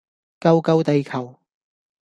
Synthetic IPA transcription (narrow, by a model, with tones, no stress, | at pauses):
kɐ˧wkɐ˥˧wt̪e˨jkʰɐ˨˩w